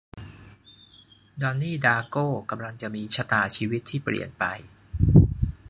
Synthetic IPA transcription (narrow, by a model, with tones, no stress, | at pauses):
dɔː˧nːiː˥˩daː˧koː˥˩ka˧mla˧ŋt͡ɕa˨˩ʔmiː˧t͡ɕʰa˧t̪aː˨˩t͡ɕʰiː˧wi˦˥t̪ʰːiː˥˩plḭ˨˩ənpa̰˧j